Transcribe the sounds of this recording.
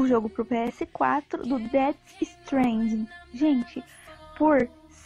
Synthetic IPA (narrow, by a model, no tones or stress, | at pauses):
ʊʒoɡʊpɾʊpeɛsɪkwa̰t̪ɾʊ̰d̪ʊd̪ɛt̪ | ɪst̪ɾẽj̃d͡ʒĩʒẽnt͡ʃɪ | poɾ | s